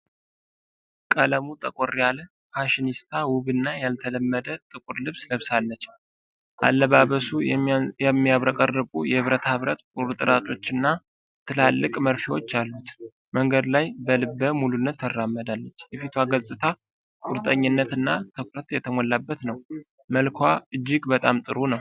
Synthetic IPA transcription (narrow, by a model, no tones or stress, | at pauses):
kʼələmut̪ʼəkʼoɾijalə | fʰaʃinist̪ʰawʊβɨnːajalt̪ʰələmːəd̪ət̪ʼɨkʼuɾlɨβsləβsalːət͡ʃː | ʔa̰lːəβaβəsuɛmːiaβɾəkʼərːɨkʼujɛhɨβɾət̪hɨβɾət̪kʼuɾt̪ʼɨɾʔat̪ʰo̞t͡ʃːɨnːa | t̪ʰɨlalːɨkʼməɾfiwot͡ʃːalːut̪ | məŋɡəd̪lajbəlɨbːəmulunːət̪ʰːərːamːəd̪alːət͡ʃːjɛfit̪ʰwaɡəzʼɨt̪ʰa | kʼuɾt̪ʼəɲːɪnːət̪ɨnːat̪ʰɨkɾət̪jɛt̪ʰəmɔlːabːət̪nəw | məlkʰʷaɨd͡ʒːɪɡbət̪ʼamt̪ʼɨɾunəw